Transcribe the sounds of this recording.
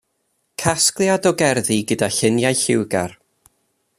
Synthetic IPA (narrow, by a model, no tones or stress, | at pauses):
kʰasklˠjadɔɡɛrðiɡədaɬɪnjajɬɪwɡa̰r